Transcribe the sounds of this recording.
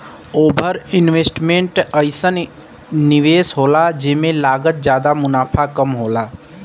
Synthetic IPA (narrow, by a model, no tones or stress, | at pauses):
oːbʱəɾɪnʋeːsʈmẽɳʈəɪsənː | ɪʋeːsɦoːlad͡ʒɪmẽlaːɡət̪̚d͡ʒjaːd̪amʊnaːpʰakəmɦoːlaː